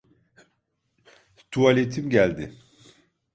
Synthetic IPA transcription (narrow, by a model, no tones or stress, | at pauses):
t̪ʰualʲet̪ʰimɟælʲd̪ɪ